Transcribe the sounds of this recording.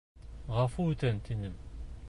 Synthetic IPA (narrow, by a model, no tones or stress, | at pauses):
ʁɑfuʉt̪ænt̪ʰinɘm